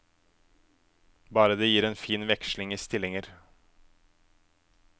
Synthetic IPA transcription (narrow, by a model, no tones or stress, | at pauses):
bɑːɾəd̪eːjiːɾeːnfiːnʋɛkʃlɪŋiːst̪ɪlɪŋəɾ